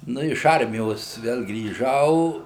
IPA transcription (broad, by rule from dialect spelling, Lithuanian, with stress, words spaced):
ˈnʊ ɪʃ ˈɐrʲmʲɪjoːs ˈʋʲɛlˠ ɡrʲiːˈʒɐʊ